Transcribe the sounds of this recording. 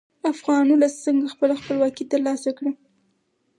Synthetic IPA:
afɣɑnulasəŋɡaxpəlaxpəlwɑkit̪əɾlɑsakɽi

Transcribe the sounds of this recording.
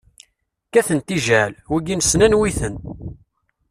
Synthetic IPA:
kæθənt̪iʒælwiɡinsnænwiθən

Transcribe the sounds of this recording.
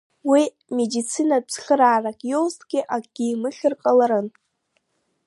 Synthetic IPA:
wi | medit͡sʰinab͡ʐχʲəɾaːrakʼjowztʰʼɡʲiʔaɡ̥ʲiːmɨχʲɨrqʼalaɾɨn

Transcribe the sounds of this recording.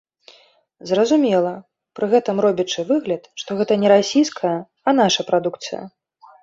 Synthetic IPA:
zrɐzumʲɛlˠɐ | pɾɨɣɛt̪ɨmrɔbʲit͡ʂɨvɨɣlʲɐt̪ʂt̪ɔɣɛt̪ɐnʲɛɾasʲijskʰɐjɐ | ɐn̪aʂɐpɾad̪ukt̪sɨ̰jɐ̰

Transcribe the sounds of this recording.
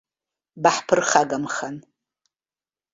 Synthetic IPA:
baħpʰɨrχaɡamχan

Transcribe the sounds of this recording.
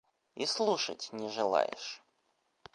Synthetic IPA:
islˠuʂə̰tʲnʲɪʐɨlˠa̰jɪ̰ʂ

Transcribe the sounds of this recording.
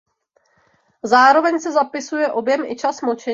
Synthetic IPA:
zaːɾo̞vɛɲsɛzapɪsujɛʔo̞bjɛmʔɪ̰t͡ʃasmot͡ʃɛ

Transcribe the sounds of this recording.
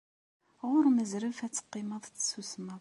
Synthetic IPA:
ʁʊɾməzɾəfæt͡sːə̥qːɪməðˤt͡sːsusmə

